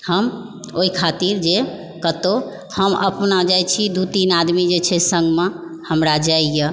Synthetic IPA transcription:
həm | oɦikʰat̪iɾd͡ʒe | kət̪o | həmə̰pnad͡ʒajt͡ʃʰid̪ut̪inad̪mid͡ʒet͡ʃʰɛsə̃ŋɡme | həmɾad͡ʒaijə

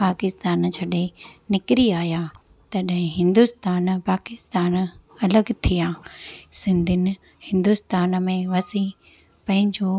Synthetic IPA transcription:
paːkɪst̪aːnt͡ɕʰɐɗenɪkɾiaːja | t̪ɐɗɦɪ̃ɦɪ̃nd̪ust̪aːnpaːkɪst̪aːnɐləɡt̪ʰijãːsɪ̃nd̪ʱɪnɪ̆ | hɪ̃nd̪ʊst̪aːnmẽʋɐsĩ | pɐ̃ɦɪ̃ɲd͡ʑo

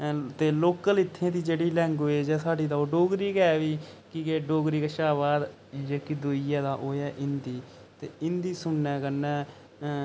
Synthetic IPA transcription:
t̪eːloːkəlɪt̪ʰːẽːt̪iːd͡ʒeːɽiːlɛ̃ŋɡoːeːd͡ʒɛːsaːɖiːd̪aːoːɖoːɡɾiːkɛːʋiːkɪkeːɖoːɡɾiːkəʃaːʋaːd̪ | d͡ʒeːkiːd̪uːɪjaːd̪aːʔoːɛːʔɪnd̪iː | t̪ḛːɪnd̪iːsʊnːɛːkənːɛː

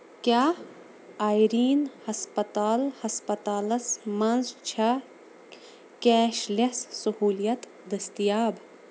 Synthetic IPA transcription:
kʲjaː | aːjɾiːnhɐspɐt̪aːlhɐspɐt̪aːlɐsmɐnzt͡ʃʰɐ | kɛːʃlɐssɐhuːlijɐt̪ | d̪ɐst̪ijaːb

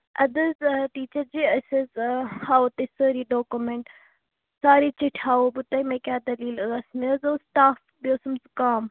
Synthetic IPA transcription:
ɐd̪əzʈiːt͡ʃəɾd͡ʒiːɐsezhaːot̪esəɾiɖoːkumeɳʈ | saːɾit͡ʃɪʈʰhaːobut̪ɐjmeːkaːd̪ɐliːlɐsmiəzoːsʈaːf | bjoːsumzkaːm

